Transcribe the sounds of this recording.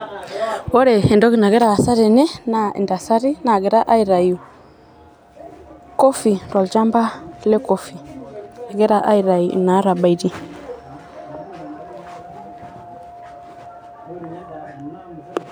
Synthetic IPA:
wo˦ɾe˨e˨ndo˦ɡi˨na˨ɡe˦ɾa˨a˨sa˦ɾe˨ne˦na˨ḭ˨nda˨sa˦ɾi˦na˨ɡe˨ɾa˦ʔa˦i˨ɾa˨ju˨ | ko˦fi˨nda˨lt͡ʃa˦mba˦le˦ko˦fi˨e˨ɡe˦ɾa˦ʔa˦i˨ɾa˨jṵ˨na˨˦ɾa˨ba˨i˨di˦

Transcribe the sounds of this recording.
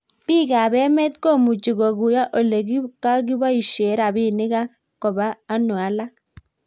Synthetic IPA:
bi˦˨ɡa˨bɛ˦mɛ˦t̪ko˦˨mu˨d͡ʒi˨ɡɔ˨ɡu˨ja˦ʔo˨le˨ɡi˦ka˦ɡ̬i˦ba˦i˨ʃe˨˦ɾa˨bɪ˦˨nɪ˦ɡa˦ | kɔ˨baː˦nu˨a˨˦la˦k̚

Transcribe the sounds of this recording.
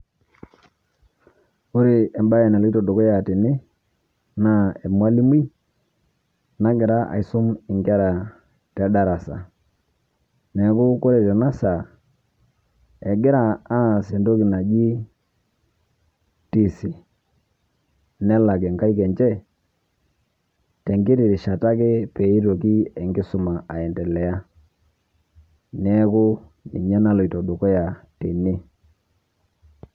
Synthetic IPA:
ʊ˦ɾɪ˨ɛ˨mba˦jɛ˨nɛ˨lki˦tɔ˨do˨kɔ˦ja˨tɪ˨nɪ˦ | na˦˨ɛ˨mwa˦li˦mi˦ | na˦ɡɪ˨ɾa˦ʔa̰˨i˨su˦mɪ˨ŋɡɛ˦ɾa˨ | tɛ˨˦da˦ɾa˨sa̰˨ | nɛ˨˦kʊ˦ko˦ɾɛ˨tɛ˨na˦sa˨ | ɛ˨ɡɪ˦ɾa˨a˦˨se˨ndo˦ki˨na˨d͡ʒi˦ | ti˨si˨ | nɛ˦la˨ɡɛ˨ŋɡa˦i˦kɛ˨nd͡ʒɛ˦ | tɛ˨ŋɡɪ˦ɾi˨ɾi˨ʃa˨ta˦kɪ˦pɛ˨i˦ɾo˨ki˦ɛ˨ŋɡɪ˦sʊ˨ma˨ʔa˨ɛ˨ndɛ˨lɛ˨ja˦ | nɛ˦kʊ˦nḭ˨ɲa˦na˦lɔ˨i˨tɔ˨ɗo˨kɔ˦ja˨te˨ne˦

